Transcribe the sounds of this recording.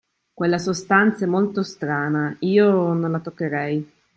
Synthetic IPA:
kwelːasost̪ant̪sɛmːolt̪ost̪ɾaːnaiːononlat̪okːeɾɛj

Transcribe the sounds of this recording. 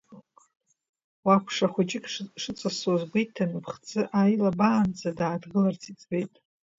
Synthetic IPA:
wakʷʰʂaχʷʊt͡ʃʼɪkʼʂɨt͡sʼasozɡʷejtʰːanɨpʰχt͡sʼɨʔajlabaːnd͡zʰʼadaːdɡɨlart͡sʰit͡sʼbejtʼ

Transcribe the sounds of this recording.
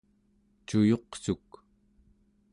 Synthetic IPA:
t͡ʃujo̞qsuk

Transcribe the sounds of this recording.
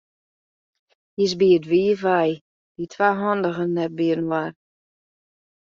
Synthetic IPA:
jisbiətʋiːəvaj | ditʰwaɦɔndəɣənːɛt̚biərn̩war

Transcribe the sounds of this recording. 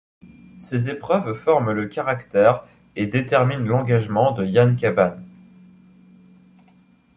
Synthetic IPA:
sezepχœvfɔʁmləkʲaʁakt̪ɛʁ | ed̪et̪ɛʁminlɑ̃ɡaʒmɑ̃d̪əjankavan

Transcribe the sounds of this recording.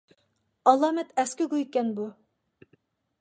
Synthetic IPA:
ɑlˠɑːmɛt̪ʰɛskʲɪɡujkʲɛnbu

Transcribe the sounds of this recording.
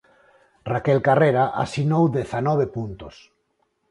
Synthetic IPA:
rakɛlkareɾaʔa̰sinowðeθanɔβ̞epunt̪os

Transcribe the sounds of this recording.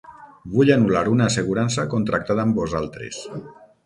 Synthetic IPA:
buʎanulaɾunaːseɣuɾans̬akont̪ɾak̚t̪aðaːmbozalˠt̪ɾḛs

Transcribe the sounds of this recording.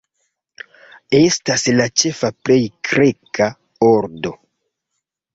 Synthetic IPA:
e̞staslat͡ʃe̞faple̞jkɾe̞ka | oɾdo̞

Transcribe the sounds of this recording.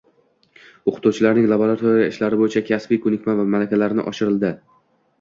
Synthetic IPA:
oqʰɨ̥t̪uwt͡ʃʰɪlaɾnɪŋlˠaboɾat̪ʰoɾjaɪʃlaɾɪboɪt͡ʃʰakʲʰasbijkʰʊnɪkʲmanvamalakʲalaɾɪnɪ̰ʔɒ̰ʃɪɾɪld̪ɪ

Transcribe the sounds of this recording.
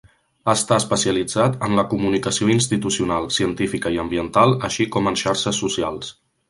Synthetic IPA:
aːst̪aəspəsiəlid͡zat̪ənləkumunikəsioinst̪it̪usiunalˠsiənt̪ifikəiəmbiənt̪alˠəʃikɔmənʃaɾʃəsːusialˠs

